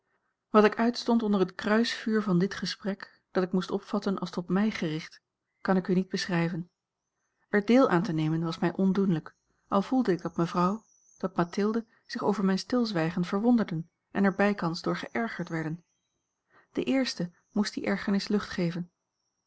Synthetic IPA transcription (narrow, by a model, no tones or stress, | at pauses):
ʋɑtɪkœɥtstɔntɔndərɦətkrœɥsfyːɹvɑndɪtχəsprɛk | d̥ɑtɪkmustɔpfɑtənʔɑ̰lˠstɔtmɛjχərɪχt | kɑnɪkynid̚bəsrɛjvən | ɛɹdɪːlˠʔa̰ːntənejmənʋɑsmɛjʔɔndunlək | ʔɑlˠv̥ulˠdəɪɡ̚dɑtməvrɑw | d̥ɑt̚matɪlˠdə | z̥ɪχowvəɹmɛjnstɪlˠzʋɛjχənvəɹʋɔndəɹdən | ʔɛnɛɹbɛjkɑnzdʊːɹχəʔɛɹχəɹtʋɛɹdən | d̥əʔɪːɹstə | mustd̥iʔɛɹχəɹnɪslɵχtχejvən